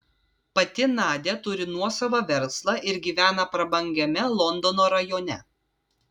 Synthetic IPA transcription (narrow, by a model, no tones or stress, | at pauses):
pɐt̪ʲɪnɑːd̪ʲet̪ʊɾʲɪnuɔsɐʋɐʋʲɛɾslˠɑʔɪɾɡʲiːʋʲæːnɐpɾɐbɐŋʲɡʲɛmʲɛlˠɔnd̪oɔnoːɾɐjoːnʲɛ